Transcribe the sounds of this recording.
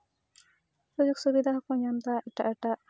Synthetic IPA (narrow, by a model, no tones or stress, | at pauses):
pɾɔd͡ʒoksubid̪ʱaɦɔkɔɲamt̪aɛk̚ʈaʔɛʈa